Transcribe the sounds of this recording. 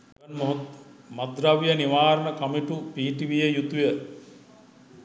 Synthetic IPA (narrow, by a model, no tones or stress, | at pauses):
ɐnmomɐd̪ɾaʋijəniʋaːɾəɳəkɐmiʈupiːʈiʋijəjut̪ujə